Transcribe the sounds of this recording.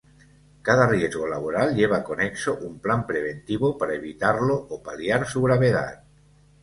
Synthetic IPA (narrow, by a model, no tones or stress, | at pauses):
kaðarjezɣolaβ̞oɾalʎeβ̞akoneksoʔumplampɾeβ̞ent̪iβopaɾaeβ̞it̪aɾloopaljaɾsuɣ̞ɾaβ̞eða̰t̪̚